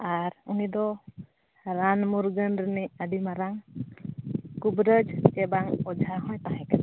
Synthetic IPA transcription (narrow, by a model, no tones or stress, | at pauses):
aɾunid̪ɔ | ɾanmuɾɡənɾəniʔaɖimaɾaŋ | kubɾəd͡ʒkɛbaŋɔd͡ʒʱaɦɔ̃jt̪aɦɛ̃kan